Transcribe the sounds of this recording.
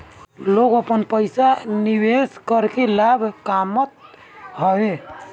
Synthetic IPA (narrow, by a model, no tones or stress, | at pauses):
loɡəpənpəjsaniweskəɾkelabʱkamət̪̚ | ɦəbe